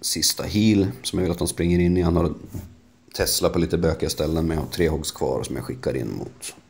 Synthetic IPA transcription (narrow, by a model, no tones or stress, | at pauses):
sɪst̪ʰa̰ɦiːlsɔmjavɪlat̪hanspɾɪŋːəɾɪnːɪjɛnhaɾ | t̪ʰɛslapʰɔliːt̪əbøːkɪast̪ɛlːənmɛnjɑhat̪ʰɾeːhɔɡskʰvɑ̰ːɾɔsɔmja̰ɧɪkːaɾɪ̰nːmʊ̰t̪